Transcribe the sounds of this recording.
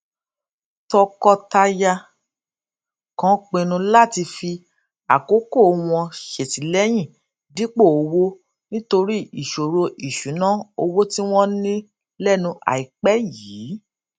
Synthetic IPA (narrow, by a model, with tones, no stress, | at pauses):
tɔ˧kɔ˧ta˧ja˧ | kã˨˦k͡pẽ˧nũ˧la˦˨ti˧fi˧ | a̰˨ko˨˦ko˦˨˧w̃ɔ̃˧ʃe˨ti˨˦lɛ˦j̃ĩ˦˨ | di˦k͡po˦˨o˧wo˦ | nĩ˦to˧ɾi˦i˨ʃo˨ɾo˧ʔi˨ʃũ˨˦nã˦o˧wo˦ti˦w̃ɔ̃˦nĩ˦ | lɛ˦nũ˧ʔa̰˨i˨k͡pɛ˦jiː˨˦